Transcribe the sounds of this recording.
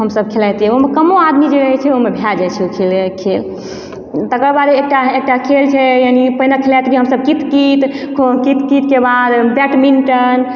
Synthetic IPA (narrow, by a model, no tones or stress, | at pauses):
ɦəmsəbkʰelat̪ɛoɦmekəmoad̪mid͡ʒeɾəɦɛt͡ʃʰɛomebʱjad͡ʒajt͡ʃʰɛokʰelekʰel | t̪əkəɾbad̪eek̚ʈaek̚ʈakʰelt͡ʃʰɛjanipəinakʰelajt̪bʱiɦəmsəb̚kit̪kit̪kʰokit̪kit̪kebad̪bɛʈminʈən